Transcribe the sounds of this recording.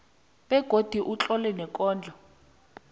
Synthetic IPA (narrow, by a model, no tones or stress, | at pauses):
ɓɛɡ̥ʱod̥ʱiʔut͡ɬʼɔlɛnɛkʼɔːnd͡ɮʱɔ